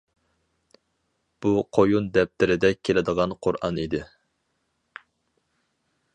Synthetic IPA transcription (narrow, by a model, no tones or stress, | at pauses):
b̥uqʰojund̪ɛp̚t̪ɪɾɪd̪ɛkʲʰːelɪd̪əʁɑnqʰʊɾɑ̰nid̪ɪ